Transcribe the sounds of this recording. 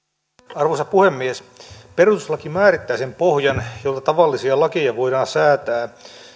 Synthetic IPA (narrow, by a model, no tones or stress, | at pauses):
ɑrʋoisɑpuhemːiesperut̪uslɑkimmæːrit̪ːæːsempohjɑnjolt̪ɑt̪ɑʋɑlːisiɑlɑkijɑʋoidɑːnsæːt̪æː